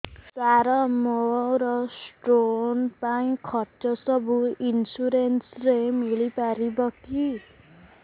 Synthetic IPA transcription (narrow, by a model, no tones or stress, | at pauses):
saɾʌmoɾʌsʈronpaĩkʰʌʈt͡ʃʌsʌbuinsuɾensɾemiɭipaɾibʌkʰi